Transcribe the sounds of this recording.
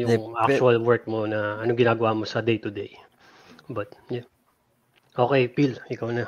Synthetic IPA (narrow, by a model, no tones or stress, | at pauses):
jʊŋʔak̚t͡ʃʊɐlwɛɹk̚mo̞nɐɐnoŋɡɪnaːɡɐwamo̞sɐd̪ejt̪ʊd̪ej | bɐt̪̚ja | ʔo̞ːkɛjpilʔɪkawnɐ